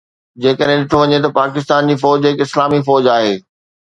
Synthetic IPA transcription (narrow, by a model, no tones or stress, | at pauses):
d͡ʑeːkəɗɦẽɗɪʈʰoʋɐɲet̪̬ɐpaːkɪst̪aːnd͡ʑiːfɔːd͡ʑɦɪkɪslaːmifɔːd͡ʑaːɦeː